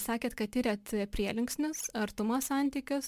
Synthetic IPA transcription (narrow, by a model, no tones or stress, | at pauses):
sɑːkʲeːt̪kɐt̪ʲɪɾʲɛt̪pʲɾʲiɛlʲɪŋksʲnʲʊsɐɾt̪ʊmoːsɑˑnʲt̪ʲiːkʲʊs